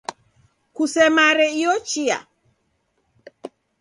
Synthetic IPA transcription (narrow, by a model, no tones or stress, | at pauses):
kusɛmaɾɛiɔt͡ʃia̰